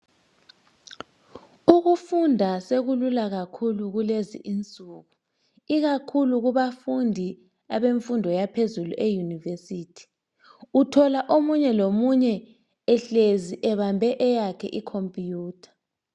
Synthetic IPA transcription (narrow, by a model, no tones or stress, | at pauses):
uɣufundʱaseɣululaɣakʰuluɣulezḭʔint͡sʼuːɣu | iɣakʰuluɣuβafundʱi | aβeɱfundʱɔjapʰezuluʔejunivesiːtʰi̥ | utʰɔlaʔomuɲɛlomuɲɛ | ɛɬeziʔɛβambʱɛʔɛjakʰɛʔikʰompʼjuːtʰḁ